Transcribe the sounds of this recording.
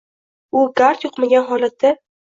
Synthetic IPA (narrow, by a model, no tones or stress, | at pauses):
ʊɡaɾt̪joqmaɡʲanɦɒlat̪ʰːa